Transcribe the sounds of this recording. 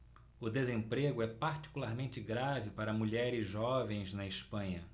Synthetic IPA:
ʊd̪ezẽmpɾeɡʊɛpaɾt͡ʃi̥kulaɾmẽnt͡ʃɪɡɾavɪpaɾɐmuʎɛɾɪzʒɔvẽj̃znɐɪspɐ̃ɲɐ

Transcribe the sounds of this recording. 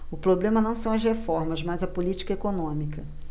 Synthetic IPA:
ʊpɾoblẽmɐnɐ̃w̃sɐ̃w̃ɐzhefɔɾmɐzmɐzɐpolit͡ʃi̥kɐekonõmikɐ

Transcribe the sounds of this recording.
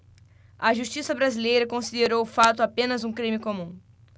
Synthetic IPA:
ɐʒuʃt͡ʃisɐbɾazilejɾɐkõsid̪eɾowʊfat̪ʊapẽnɐzũkɾĩmɪkõmũ

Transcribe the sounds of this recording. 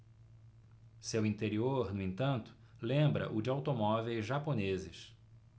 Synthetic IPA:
sewĩnt̪eɾioɾnʊẽnt̪ɐ̃nt̪ʊ̥ | lẽmbɾɐ̰ʔʊd͡ʒɪawt̪omɔvejzʒaponezɪs

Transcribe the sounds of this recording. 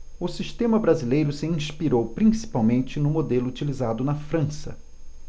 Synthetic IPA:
ʊsiʃt̪ẽmɐbɾazilejɾʊsɪĩspiɾowpɾĩsi̥pawmẽnt͡ʃɪnʊmod̪elʊut͡ʃilizad̪ʊnɐfɾɐ̃sɐ̰

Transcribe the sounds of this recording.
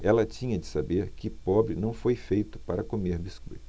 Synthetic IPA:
ɛlɐt͡ʃĩɲɐd͡ʒɪsabeɾkɪpɔbɾɪnɐ̃w̃fojfejt̪ʊ̥paɾɐkomeɾbiskṵj

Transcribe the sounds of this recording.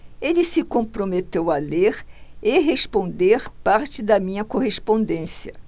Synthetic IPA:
elɪsɪkõpɾomet̪ewɐleɾeɦespõnd̪eɾpaɾt͡ʃɪd̪ɐmĩɲɐkohespõnd̪ẽsiɐ

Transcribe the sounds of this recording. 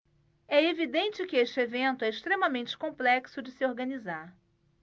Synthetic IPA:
ɛevid̪ẽnt͡ʃɪkɪeʃt͡ʃɪevẽnt̪ʊɛɪʃt̪ɾemɐmẽnt͡ʃɪ̥kõplɛksʊd͡ʒɪsɪoɾɡɐnizaɾ

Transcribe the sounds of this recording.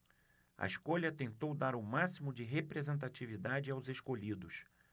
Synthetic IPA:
ɐ̰iʃkoʎɐt̪ẽnt̪owd̪aɾʊmasimʊd͡ʒɪɦepɾezẽnt̪̬at͡ʃivid̪ad͡ʒɪawzeʃkoʎid̪ʊs

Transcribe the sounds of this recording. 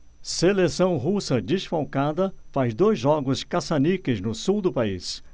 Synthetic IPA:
selesɐ̃w̃ɦusɐd͡ʒɪsfawkad̪ɐfazd̪ojzʒɔɡʊskasanikɪznʊsuwd̪ʊpaḭs

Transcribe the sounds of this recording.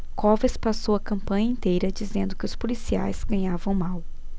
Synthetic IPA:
kɔvɐspasowɐkɐ̃mpɐ̃ɲɐĩnt̪ejɾɐd͡ʒizẽnd̪ʊkɪʊspolisia̰jz̥ɡɐ̃ɲavɐ̃w̃maw

